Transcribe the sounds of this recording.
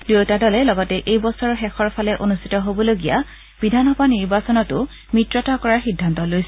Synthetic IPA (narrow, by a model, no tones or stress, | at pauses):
dotadɔlɛlɔɡɔtɛʔejbɔsɔɹɔxɛxɔɹpʰalɛʔonustʰi̥tɔɦobɔloɡija | b̥idʱanɦɔbʱaniɹbasɔnɔtʊ | mitɹɔtakɔɹaɹxidʱːantɔlojsɛ